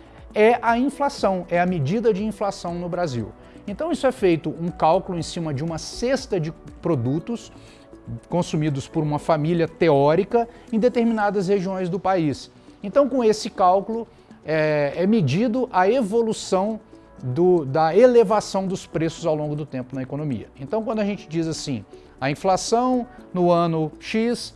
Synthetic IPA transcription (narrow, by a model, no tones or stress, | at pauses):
ɛʔɐĩflasɐ̃w̃ɛɐmed͡ʒid̪ɐd͡ʒɪĩflasɐ̃w̃nʊbɾazḭw | ẽnt̪ɐ̃w̃isʊɛfejt̪ʊʔũkawkʊlʊẽj̃sĩmɐd͡ʒɪũmɐsest̪ɐd͡ʒɪpɾod̪ut̪ʊs | kõsumid̪ʊspoɾũmɐfamiljɐt̪eɔɾikɐẽj̃d̪et̪eɾminad̪ɐsheʒiõj̃zd̪ʊpais | ẽnt̪ɐ̃w̃kõesɪkawkulʊ | ɛɛmed͡ʒid̪ʊʔɐevolusɐ̃w̃ | d̪ʊd̪ɐelevasɐ̃w̃d̪ʊspɾesʊ̥zawlõɡʊd̪ʊt̪ẽmpʊnɐekonõmḭɐ̰ẽnt̪ɐ̃w̃kwɐ̃d̪ʊaʒẽnt͡ʃɪd͡ʒizasĩ | ɐĩflasɐ̃w̃nʊɐ̃nʊʃis